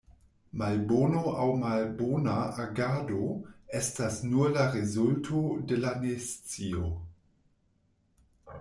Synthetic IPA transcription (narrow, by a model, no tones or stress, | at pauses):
malbonoawmalbonaaɡado̞estasnulaɾezultʰodelanest͡sio